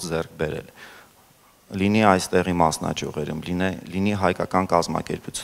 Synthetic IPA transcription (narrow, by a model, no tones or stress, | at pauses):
d͡zɛrk̚ʰbɛɾɛ̰l | liniɑjst̪ɛʁimɑsnɑ̰d͡ʒʰjuʁɛɾumliniɦɑjkɑkɑnkɑzmɑ̰kɛɾput͡sʰ